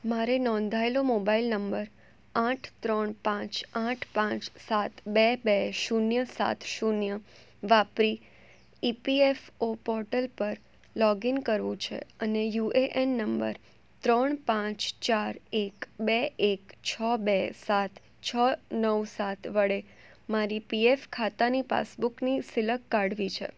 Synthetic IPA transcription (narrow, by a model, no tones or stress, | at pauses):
maɾenɔ̃nd̪ʱaelomobailnəmbəɾ | ãʈʰt̪ɾəɳpãt͡ʃãʈʰpãt͡ʃsat̪bɛbɛʃunjəsa̰t̪ʰʃunjə | ʋapɾi | ipiefopɔɾʈəlpəɾ | lɔɡinkəɾʋũt͡ʃʰḛənejuʔeʔenːəmbə̰ɾ | t̪ɾəɳpãt͡ʃt͡ʃaɾekbeekt͡ʃʰəbesat̪ | t͡ʃʰənəʋsat̪ʰʋəɽe | maɾipiefkʰat̪anipa̰sbuknisɪləkːaɽʋit͡ʃʰḛ